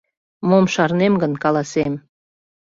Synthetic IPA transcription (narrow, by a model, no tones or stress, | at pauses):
momʃɑrnemɡə̆nkɑlˠɑsem